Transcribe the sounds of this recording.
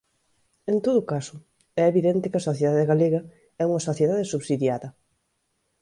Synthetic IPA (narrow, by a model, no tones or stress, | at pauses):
ent̪oðʊkasʊ | ɛeβiðent̪ɪkɐsoθjeðaðeɣaleɣɐ | ɛuŋɐsoθjeðaðɪsuβsiðjaðɐ